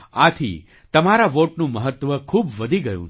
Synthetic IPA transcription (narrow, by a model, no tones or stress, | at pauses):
at̪ʰḭ | t̪əmaɾaʋoʈnũməɦət̪ʋəkʰubʋəd̪ʱiɡəjṵ̃